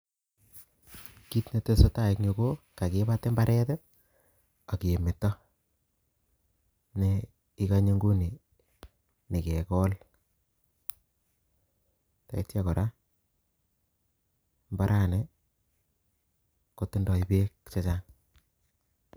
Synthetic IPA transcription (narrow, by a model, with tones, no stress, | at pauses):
ki˦tne˨te˦so˦ta˦je˦kɲo˨ko˦ka˨ke˦ba˦te˦mba˦ɾʔɛ˦tɛ˦ | a˨ki˨e˨mɪ˨tːɔ˦ | ne˦ | i˦ka˦ɲe˦ŋɡu˦ni˨ | ni˨ke˨kɔ˦l | ta̰˨i˦tja˦kɔ˨ɾʔa˦ | mba˦ɾʔa˦˨nɛ˨ | ko˨tɪ˦ndɔ˨i˦pe˦kt͡ʃe˦t͡ʃaŋ